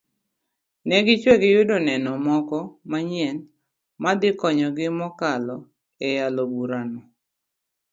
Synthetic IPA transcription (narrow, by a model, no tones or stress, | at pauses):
nɛɡɪt͡ʃweɡɪjʊdonɛnɔmɔkɔmaɲɛn | mad̪ɪkɔɲɔɡɪmɔkalɔ | ɛjalobuɾanɔ